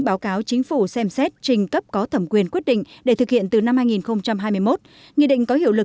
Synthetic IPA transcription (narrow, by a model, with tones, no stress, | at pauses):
ɓaː˨˦wkaː˨˦wt͡ɕi˨˦ŋ̟fu˧˩sɛ˧msɛ˦˥t̚t͡ɕï˨˩ŋ̟kə˦˥p̚kɔ˨˦t̪ʰə˧˩mkwi˨˩ənkwət̚ɗḭ̈˧˨ŋ̟ɗe˧˩t̪ʰɨ˨˩k̚hḭ˧˨ənt̪ɨ˨˩na˧mhaː˧jŋi˨˩nxə˧wŋ͡mt͡ɕa˧mɦaː˧jmɨ˧əjmo˦˥t̚ | ŋḭ˧˨ɗï˧˨ŋ̟kɔ˨˦ɦḭ˧əwlɨ˨˩k̚